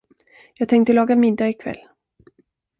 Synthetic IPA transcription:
jɑːɡ̚t̪ʰɛŋk̚t̪əlɑːɡamɪd̪ːaɪkʰvɛ̰lː

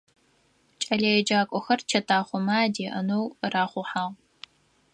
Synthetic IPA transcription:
t͡ʃʼɐɮejɛd͡ʒaːkʷʼɔxɐrt͡ʃʰɐtʰaːχʷɔmaːdiːʔɐ̰nowraːχʷʊħaːʁ

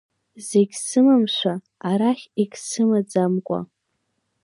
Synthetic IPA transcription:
zeɡʲsɨmamʃʷa | aɾaχʲiɡʲsɨmad͡zamkʷʼa̰

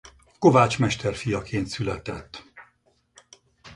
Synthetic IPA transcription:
ko̞vaːt͡ʃmɛʃt̪ɛrfijɒkʰeːnt̪sylɛt̪ɛt̪ː

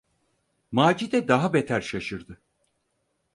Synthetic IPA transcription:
maːd͡ʒid̪ɛd̪aɦabet̪ʰæɾʃaʃɯɾd̪ɯ

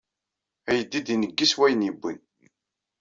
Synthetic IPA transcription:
æjəd̪ːid̪inəɡːiswæjənjəbːə̰n

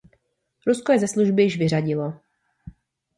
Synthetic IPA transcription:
ɾuskojɛzɛsluʒbɪjɪʃvɪr̝aɟɪlo

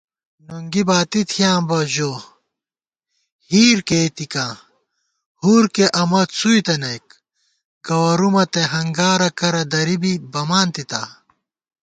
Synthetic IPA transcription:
nuŋɡibaːt̪it̪ʰijaːmbɐʑoː | hiːɾket̪ikãː | huɾkeʔɐmɐt̪sujt̪ɐnɐjk̚ | ɡ̥ɐwɐɾumɐt̪eɦɐŋɡaːɾɐkɐɾɐd̪ɐɾibibɐmaːnt̪it̪aː

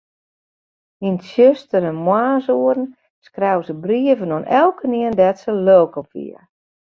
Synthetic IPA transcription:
insjøstəɾɛnmwaːsuərn̩ | skrɛwsəbriəvənonʔɛlˠkəniəndɛtsəløːkɔpʋḭə

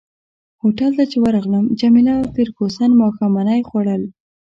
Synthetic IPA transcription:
hoʈalt̪at͡ʃewaɾɑɣləmd͡ʒamilap̪ɪɾkosanmɑxamanajxwaɽəl

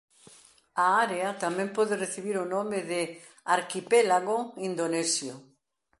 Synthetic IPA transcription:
aaɾeat̪amẽmpɔðereθiβiɾonomeðɪ | aɾkipelaɣoind̪onesjo

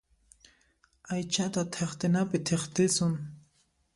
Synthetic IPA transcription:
ajt͡ʃat̪at̪ʰeχt̪ɪnapɪt̪ʰeχt̪ɪsʊŋ

